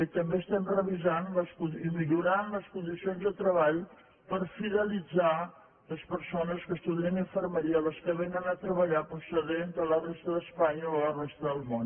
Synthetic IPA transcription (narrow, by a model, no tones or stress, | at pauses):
t̪əmbeəst̪ɛmrəβizanləskuimiʎuɾanləskund̪isionzðət̪ɾəβaʎ | pəɾfiðəlid͡za | ləspəɾsonəskəst̪uðiəniɱfərməɾiələskəβenənət̪ɾəβəʎapɾusəðent̪ələrɛst̪əðəspaɲəollərɛst̪əðəlˠmon